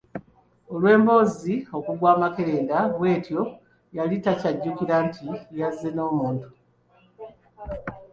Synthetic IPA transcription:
o̞lwe̞ːmbo̞ːzio̞kuɡwaːmakeɾeːndaβwe̞ːtjo̞ | jalitacaɟːukiɾantʰijazːeno̞ːmuːntu

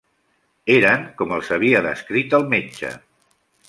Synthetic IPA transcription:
eɾəŋkɔməlˠsəβ̞iəðəskɾit̪əlˠmet͡ʃə̰

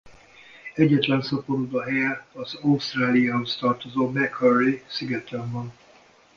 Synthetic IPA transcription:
ɛɟːɛt̪lɛnsɒpoɾud̪ɒɦɛjɛɒzɒwst̪raːlijaːɦost̪ɒrt̪ozoːmɛkʰɔrisiɡɛt̪ɛmbɒn

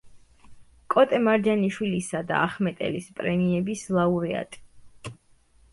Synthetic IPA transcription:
kʼɔt̪ʼɛmaɾd͡ʒaniʃwilisad̪a̰aχmɛt̪ʼɛ̰lispʼɾɛmiɛbislˠauɾɛa̰t̪ʼi̥

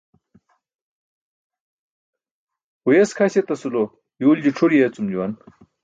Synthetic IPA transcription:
ujeskʰaɕet̪ɐsulo | juːld͡ʑiʈ͡ʂʰuɾijet͡sumd͡ʑuwan

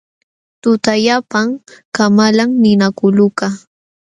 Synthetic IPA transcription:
t̪ʊt̪ajapaŋkamalaŋnɪnakʊlʊka

